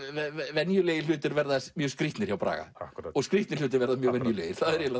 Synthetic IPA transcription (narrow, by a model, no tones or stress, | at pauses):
ɛvɛnjʏleːjɪlʏːt̪ɪɾvɛɾðaðɛsmjœːskɾiht̪nɪɾ̥çawpɾa̰ːɣa̰ɔɣskɾiht̪nɪɾ̥l̥ʏːt̪̬ɪɾvɛɾðamjœːɣvɛnjʏlḛːjɪɾ̥θaðɛɾjɛla